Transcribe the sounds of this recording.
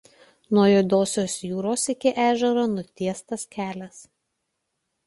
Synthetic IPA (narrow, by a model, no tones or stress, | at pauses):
nuɔjoːd̪oːsʲoːsjuːɾoːsɪkʲɪʔæːʒʲɛɾoːnʊt̪ʲiɛst̪ɐskʲæːlʲɛs